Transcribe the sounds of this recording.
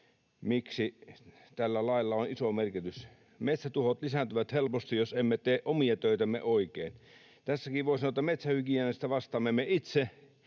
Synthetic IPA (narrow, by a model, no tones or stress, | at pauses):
miksi | t̪ælːælɑˑilːɑonisomerkit̪ys | met̪sæt̪uhot̪lisænt̪yʋæt̪helpost̪ijjosemːet̪eːʔʔomiɑt̪øˑit̪æmːḛʔoˑikeːn | t̪æsːækiʋoˑisɑnoˑt̪ːɑmet̪sæhykiæːˑnest̪æʋɑst̪ɑːmːemːeit̪se